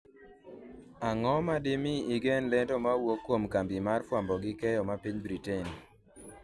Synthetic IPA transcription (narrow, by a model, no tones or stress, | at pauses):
aŋɔmadɪmiiɡenlɛndomawokːwomkambimarfwambɔɡɪkɛjɔmapiɲbɾiten